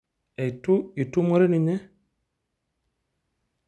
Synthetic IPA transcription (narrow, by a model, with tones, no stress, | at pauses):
ɛ˨jtu˦i˨tu˦mo˦ɾe˦ni˨ɲɛ˦